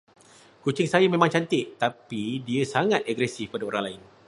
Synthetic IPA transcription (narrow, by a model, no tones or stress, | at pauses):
kut͡ʃɪŋsajamẽmãŋt͡ʃant̪ɪʔt̪apidiəsaŋãt̪̚aɡɾɛsɪfpadaoɾaŋlaɪn